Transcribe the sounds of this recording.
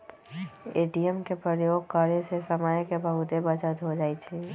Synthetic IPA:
eːʈijəmkepɾəjoːɡ̚kaɾesesəməjkebəɦʊt̪ebət͡ʃət̪ɦod͡ʒaːit͡ʃʰɛ

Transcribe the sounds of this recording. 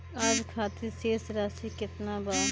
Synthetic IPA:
aːd͡ʒkʰaːt̪iseːsɾaːsikɪt̪nabaː

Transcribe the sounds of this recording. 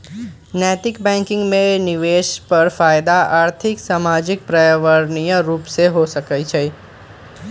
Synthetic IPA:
nɛːt̪ɪkbɛ̃ŋkɪ̃ŋɡmẽnɪʋeʃpəɾfaːjd̪aʔaːɾt̪ʰɪksaːmad͡ʒɪk̚pɾajʋəɾnijəɾuːpseɦosəkəjt͡ʃʰe

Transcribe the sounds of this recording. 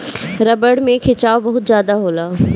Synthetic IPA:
ɾɐbəɽmẽkʰɪt͡ʃaːobɐɦʊt̪zjaːd̪aɦoːlaː

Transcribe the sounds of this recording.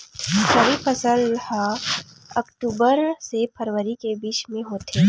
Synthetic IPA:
sɐɾipʰəsəlha | ɐkʈuːbəɾsepʰəɾʋəɾikebiːt͡ʃmẽɦoːt̪eː

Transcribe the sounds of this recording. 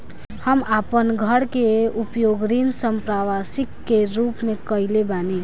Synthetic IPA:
həmapənɡʱəɽkeupjoɡɾinsəmpɾaʋasikːeɾupmẽkəɪlebane

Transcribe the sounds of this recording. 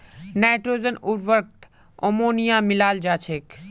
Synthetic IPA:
naːʈɾoːzənuɾʋəɾk̚t̪ | omoːnijaːmɪlaːld͡ʒaːt͡ʃʰeːk

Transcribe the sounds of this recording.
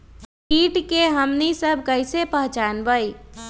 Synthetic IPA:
piːʈkeɦəmnisəbʱkəɪsepəɦt͡ʃaːnbəi

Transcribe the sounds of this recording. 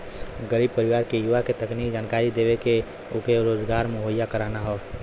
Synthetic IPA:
ɡəɾiːb̚pəɾɪʋaːɾkejuʋaket̪əkniːkd͡ʒaːnkaːɾid̪eːʋeke | okeɾoːzɡaːɾmeɦojːakəɾaːnaɦɔː

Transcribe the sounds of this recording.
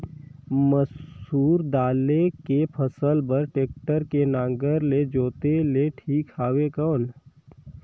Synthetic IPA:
məsuːɾd̪aːlekepʰəsəlbəɾʈeːk̚ʈəɾkenãːŋɡəɾled͡ʒoːt̪eleʈʰiːkʰaːʋekən

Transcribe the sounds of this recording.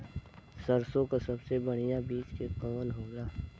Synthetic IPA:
sɐɾsõkasɐbsebɐɽ̤̃ijabiːt͡ʃkekɔːlɦoːɡaː

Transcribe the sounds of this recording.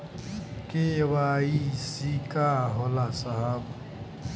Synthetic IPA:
kewaisikaɦɔlasaɦab

